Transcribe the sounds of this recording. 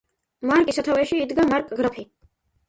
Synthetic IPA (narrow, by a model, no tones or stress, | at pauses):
maɾkʼisat̪ʰavɛʃiːd̪ɡamaɾkʼɡɾapʰi